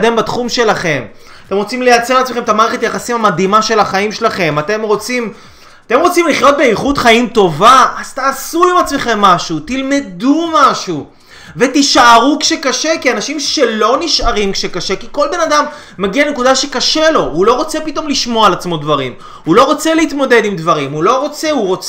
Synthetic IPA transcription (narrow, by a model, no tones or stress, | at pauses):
d̪embat̪χumʃe̞laχe̞m | at̪e̞mʁo̞t͡simlejat͡selat͡smeemet̪amaːʁeχetajaχasimhamad̪imaʃe̞laχaimʃelaχe̞mat̪e̞mʁo̞t͡sim | at̪e̞mʁo̞t͡simliχjo̞t̪̚be̞iχudχaimt̪o̞vaʔaz̥t̪aːsuimat͡sme̞χe̞mːaʃut̪ilme̞dumaʃu | ve̞tiʃaʁukʃekaʃe̞kianaʃimʃe̞lo̞niʃaʁimkʃekaʃe̞kiko̞lbe̞nadamː | aɡiane̞kudaʃe̞kaʃelo̞hulo̞ʁo̞t͡sepito̞mliʃmo̞alat͡smo̞dvaʁim | hulo̞ʁo̞t͡selehit̪mo̞d̪e̞dimdvaʁimulo̞ʁo̞t͡se̞uʁo̞t͡s